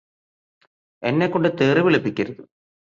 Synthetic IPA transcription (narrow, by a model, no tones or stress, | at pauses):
e̞nːekːoɳɖɨt̪eːriʋiɭipːikʲːɐɾuðu